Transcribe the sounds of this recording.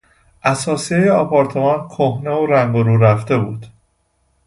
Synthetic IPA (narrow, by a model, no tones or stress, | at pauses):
ʔæsɒːsiejeɒpʰɒɾt̪ʰe̞mɒnkʰohne̞oɾæŋɡoɾuːɾæft̪e̞buːd̪̥